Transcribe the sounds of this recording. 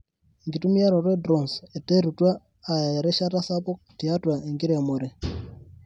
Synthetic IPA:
ŋɡi˨tu˦mi˦a˦ɾɔ˨ɾwɛ˦dɾɔ˨nse˨te˦ɾu˨twaː˦˨ | ɾɛ˦ʃa˦ta˦sa˦pɔ˦k̚ti˨a˦twa˨e˨ŋɡi˦ɾe˨mo˨ɾe˨

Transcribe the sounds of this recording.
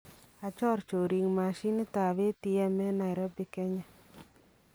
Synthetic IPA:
a˨t͡ʃɔ˦˨ɾt͡ʃo˨ɾi˨ŋma˨ʃi˦n˦ta˨βe˦ti˦ɛ˦mɛ˦na˨ɪ˨ɾɔ˦bɪ˦kɛ˦ɲa˦

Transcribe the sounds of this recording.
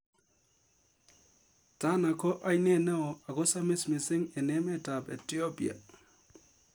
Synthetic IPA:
ta˦na˨kɔ˦ʔa˦jne˦˨nɛ˦ɔ˨a˨ɣɔ˦sa˦mɪ˦smɪ˨sɪ˦ŋe˨ne˦mɛ˦˨ta˨pḛ˨ti˦o˦pi˨a̰˨

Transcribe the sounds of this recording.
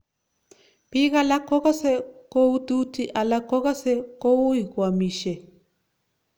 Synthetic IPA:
pi˦ka˦la˦kɔ˦kɔ˦sɛ˦ko˦u˦tu˦ti˦ʔa˨la˦kɔ˦ka˦sɛ˦ko˦u˦i˨kwa˨mi˨ʃɛ˨

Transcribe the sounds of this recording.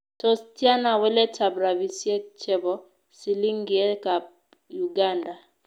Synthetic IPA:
tɔ˦stja˦na˨wɛ˦lɛ˦ta˨bɾa˨bi˨sjɛ˦t͡ʃɛ˦bɔ˦ | si˨li˦ŋɡi˨ɛ˦ka˨p̚ | ju˨ɡa˦nda˨

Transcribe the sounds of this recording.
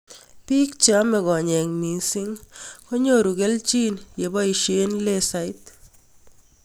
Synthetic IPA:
pi˦k̚t͡ʃɔ˦mɛ˨ɣɔ˨ɲɛ˨ŋmi˨sɪ˦ŋko˦ɲo˦˨ɾu˨kɛ˦lt͡ʃi˦nje˨bɔ˦i˨ʃe˦nle˦sa˦ɪ˦t̪

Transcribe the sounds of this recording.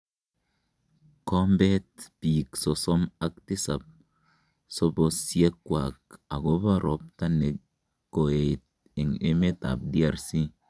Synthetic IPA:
ko˦mbe˦t̪̚piː˨kso˨so˦ma˦k̚t̪i˦sa˨p̚ | so˦bo˨sje˦kːwa˨ka˨ɡo˦ba˦ɾʔo˨p̚t̪a˦ne˨kː | o˨e˨t̪̚ | e˨ŋe˦me˦t̪a̰˨b̚di˦a˨ɾsi˦

